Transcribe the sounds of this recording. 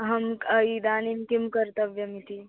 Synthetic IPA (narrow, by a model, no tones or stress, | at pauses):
ɦɐməid̪aːninkimkəɾt̪əbjɐmit̪ʰi